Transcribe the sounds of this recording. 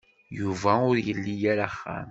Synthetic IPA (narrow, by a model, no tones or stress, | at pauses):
juvæʊɾjəlːijæɾaχːa̰n